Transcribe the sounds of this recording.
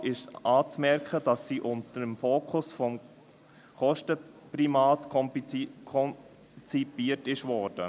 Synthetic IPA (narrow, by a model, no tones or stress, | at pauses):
ɪʃɑːt͡smɛɾkχədɑsːiːʔʊntəɾəmfoːkʰʊsfɔm | χɔʃtəpɾimɑːtkʰɔkʰɔn | t͡sipiːəɾtɪʃvɔɾd̥ə